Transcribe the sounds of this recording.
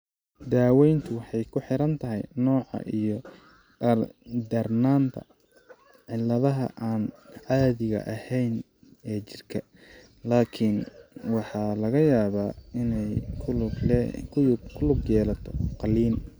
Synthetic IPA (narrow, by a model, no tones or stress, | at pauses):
d̪aːwɛjnt̪ʰʊwɑħɑjkʰʊħɪɾɐnt̪ʰɐɦɛ̰jnɔːʕɑ̰ʔijɔ | d̪ɐrnaːnt̪ʰɐ̰ | ʕɪlːɐðɐɦɐ̰ʔaːnʕɑːðɪɣɐ̰ʔɐhɛjn | ɛːt͡ʃɪrkʰɐ | laːkʰɪnwɑħɑːlɐɣɐjaːβaːɪnɛjkʰː | kʰʊkʰʊlʊɡjɛːlɐt̪ʰɔqɑliːm